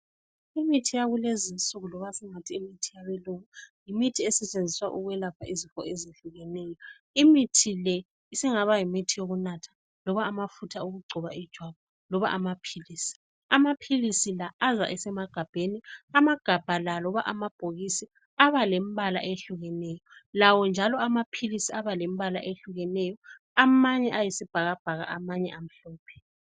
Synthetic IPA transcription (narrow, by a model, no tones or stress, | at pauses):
imitʰijaɣulezinsʼuɣulɔβasiŋatʰiːmitʰijaβeluŋajimitʰiɛsɛt͡ʃʼend͡zʱiswa̰ʔuɣwɛlapʰaʔizifɔezeɬuɣɛnejɔ | imitʰilɛ | isiŋaβajimitʰijoɣunatʰḁ | lɔβaːmafutʰauɣuɡ͡ǀʱɔβaid̥ʒ̥ʱwaβa | lɔβa̰ʔamapʰiliːsi̥ | amapʰilisilaːza̰ʔɛsɛmaɡ̥ʱab̥ʱeniamaɡ̥ʱab̥ʱalalɔβaʔamab̥ʱoɣisi | aβalemβala̰ʔeɬuɣɛnɛːjɔlawɔnd͡ʒʱalɔamapʰilisiaβalem̩βala̰ʔeɬuɣɛnɛjɔ | amaɲɛʔajesib̥ʱaɣab̥ʱaɣa̰ʔamaɲɛ̰am̩ɬɔːpʰɛ̥